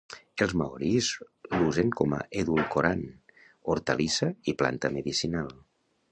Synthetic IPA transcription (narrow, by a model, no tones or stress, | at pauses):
elˠzmaoɾizluzeŋkɔma̰ʔeðulkoɾan | oɾt̪əlisəipla̰nt̪əmeðisinalˠ